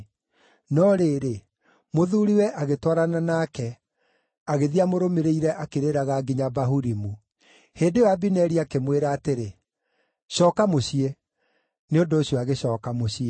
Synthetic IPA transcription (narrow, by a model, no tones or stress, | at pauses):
nɔɾeɾe | moðuːɾiwɛʔaɣetwaɾananakɛ | aɣeðiamoɾomeɾeiɾɛʔakeɾeɾaɣaːɡiɲabaɦuɾimu | heːndewabinɛɾiakemweɾaːteɾe | ɕɔːkamoɕie | neondoːɕjɔaɣeɕɔːkamoɕie